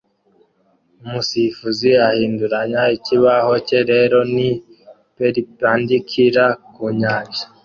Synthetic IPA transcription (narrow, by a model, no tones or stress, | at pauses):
umusifuziahiːnduɾaɲaiciβaho̞ce̞ɾe̞ːɾo̞ni | peɾipaːndikʰiɾakuɲaːɲʒḁ